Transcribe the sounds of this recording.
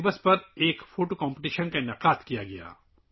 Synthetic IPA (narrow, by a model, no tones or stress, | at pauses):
bəspɐɾeːkfʰoːʈokɔ̃ːmpɪʈiːʃənkaɪnɐqaːt̪kijaɡɐja̰ː